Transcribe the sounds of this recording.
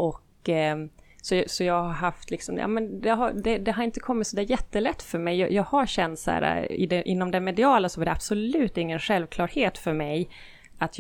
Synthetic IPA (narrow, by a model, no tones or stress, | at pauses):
ʔɔkː | sɔsɔjɑːɡhaɾɦaft̪ʰlɪksɔmd̪̰jɑ̰ːmɛnd̪ɛɦad̪ɛd̪ɛɦaɾɪnt̪ə̥kʰɔmːɪt̪sɔd̪æːɾjɛt̪ːəlɛt̪ːfœɾmɛjːɑ̰ːjɑːɡhaɾɕɛnt̪sæ̰ːɾa̰ɪ̰d̪ɛʔɪ̰nːɔmd̪ɛmɛd̪ɪɑːlasɔvaɖɛab̥sɔlʉ̟ːt̪ɪŋːənɧɛlvkʰlɑːɾheːt̪fœɾmɛj | at̪j